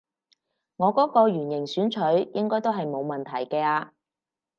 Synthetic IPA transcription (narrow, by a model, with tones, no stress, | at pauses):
ŋɔː˨˧kɔː˨˥kɔː˧ɥyː˨˩njɪ˨˩ŋsyː˨˥nt͡ʃʰɵ˨˥ɥjɪ˥ŋkɔː˥jt̪o˥wɦɐ˨jmo˨˧wmɐ˨nt̪ʰɐ˨˩jkɛː˧aː˧